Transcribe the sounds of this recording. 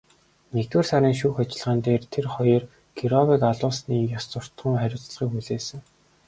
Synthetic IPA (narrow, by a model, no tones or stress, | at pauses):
nekt̪weːrsæɾʲiːŋʃuːxat͡ɕɪ̆ɮʁaːnt̪eːrt̪ʰerχɔjr | ɡiɾɔwikaɮʊːsniːjast͡sʊr̥t̪χə̆ŋχæɾʲʊːt͡s̆ɮʁiːkuɮeːsɘ̆ŋ